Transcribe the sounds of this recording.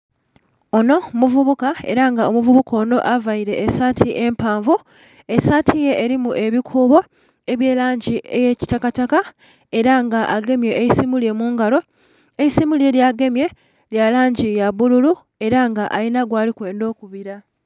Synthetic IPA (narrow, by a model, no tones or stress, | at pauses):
o̞no̞muvuβukae̞̰ɾaŋɡao̞muvuβuko̞ːno̞ʔavaiɾe̞ːsatʰiʔe̞mpaːɱvu | e̞satʰije̞ʔːɾimuʔe̞βikʰuːβo̞ | e̞βje̞ːlaːɲɟiʔe̞je̞ci̥takataka | e̞ɾaŋɡaʔaɡe̞mje̞ejisimulje̞muːŋɡalo̞ | ejisimulie̞ljaɡe̞mje̞ | ljalaːɲɟijaβululu | e̞ɾaŋɡaʔalinaɡwaːlikwe̞ːndo̞ːkuβiɾa